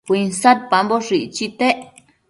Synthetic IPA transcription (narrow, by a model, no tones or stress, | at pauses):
kʷinsad̪̚pamboʂit͡ʃit̪eʔ